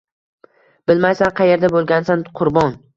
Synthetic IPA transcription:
b̥ɪlmajsanqʰɑje̞ɾd̪abolˠɡʲansanqʰʊɾbɒn

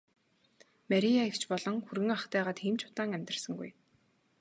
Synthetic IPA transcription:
maɾʲiaikt͡ɕpɔɮɞ̆ŋxurɣɘ̆ŋaχt̪æːʁaːt̪xiːmt͡ɕʰʊ̥t̪aːŋæmʲt̪rə̆rsə̆ŋɡṵj

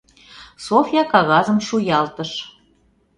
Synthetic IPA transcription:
sofjɑkɑɣɑzəmʃujɑlt̪əʃ

